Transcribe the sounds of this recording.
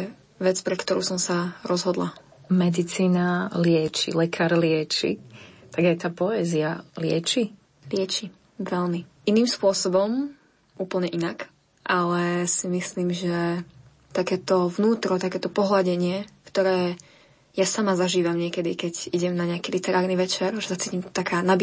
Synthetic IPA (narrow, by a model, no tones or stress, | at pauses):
ʋɛt͡spɾɛkt̪ɔɾṵːsɔmsaɾɔzɦɔd̪la̰ | mɛd̪it͡siːnalɪɛt͡ʃḭlɛkʰaːɾlɪɛt͡ʃḭt̪aɡajt̪aːpɔɛːzialɪɛt͡ʃi | lɪɛt͡ʃi | ʋɛlmiʔiniːmspʊɔsɔbɔm | ʔuːpl̩ɲɛʔinak | ʔalɛsimisliːmʒɛ | t̪akɛːt̪ɔvnuːt̪ɾɔt̪akɛːt̪ɔpɔɦlaɟɛɲɪɛkt̪ɔɾɛː | jasamazaʒiːʋamɲɪɛkɛd̪ikɛɟiɟɛmnaɲɛakilit̪ɛɾaːɾniʋɛt͡ʃɛɾʒɛsat͡siːcimt̪akaːnabi